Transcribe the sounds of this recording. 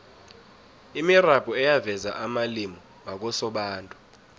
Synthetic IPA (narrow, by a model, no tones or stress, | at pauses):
imirab̥ʱɔɛjavɛzaʔamalimɔ | mak̬ɔsɔɓaːntʼu